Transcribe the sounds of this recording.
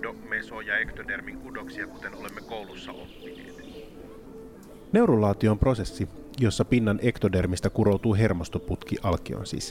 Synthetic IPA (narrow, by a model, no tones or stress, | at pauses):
ome̞sojɑe̞kt̪ode̞rmiŋkudo̞ksiɑkut̪e̞no̞le̞mːeko̞wlusːɑʔo̰pːinː | t̪ | ne̞wɾulːɑːt̪io̞ːmpro̞se̞sːi | jo̞sːɑpinːɑnʔe̞kt̪ode̞rmist̪ækuɾo̞wt̪uːɦe̞rmost̪o̞put̪kiʔɑlkio̰nsḭːs